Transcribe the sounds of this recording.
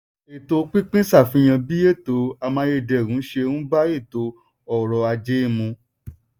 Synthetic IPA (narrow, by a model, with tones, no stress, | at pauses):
e˨to˧k͡pĩ˦k͡pĩ˦sa˦˨fĩ˨˦j̃ã˧bi˦e˦˨to˨˦a˧mãː˧˦je˧dɛ˨ɾũ˨˦ʃe˧hũ˦ba˦e˦˨to˨˦ | ɔ˨ɾɔ˧a˧d͡ʒe˦i˦˨mũ˧